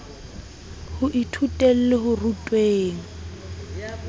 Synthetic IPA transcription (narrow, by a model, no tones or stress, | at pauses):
hʊʔitʰutʼel̩lɪɦʊrutʼweːŋ̩